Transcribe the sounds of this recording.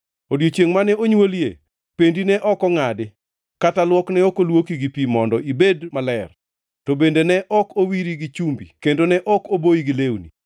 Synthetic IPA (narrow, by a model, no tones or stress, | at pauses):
odjot͡ʃjeŋmanɛoɲwoljḛ | pendinɛʔɔkɔŋadɪ | katalwɔknɛɔkolwokiɡipimɔndɔʔibedmalɛr | tobendenɛʔɔkowiɾiɡit͡ʃumbḭkendonɛʔɔkoboiɡilewnḭ